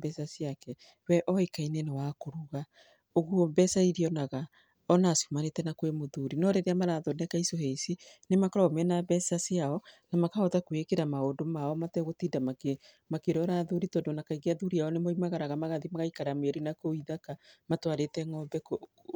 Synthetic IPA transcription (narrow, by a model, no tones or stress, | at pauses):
bɛsasiakɛ | wɛʔɔekainenewakoɾuɣa | oɣwɔbɛsaiɾiɔnaɣa | ɔnasumanetɛnakwemoðuɾinɔɾeɾeamaɾaðonɛkaisoɦeisinemakɔɾamɛnabɛsasiaɔnamakaotakwekeɾamaondomaɔmatɛɣotiːdamake | makeɾɔɾaðuɾitɔndonakaiɣeaðuɾiaɔnemoimaɣaɾaɣamaɣaðimaɣaikaɾamweɾinakoiðakamatwaɾetɛŋɔbɛko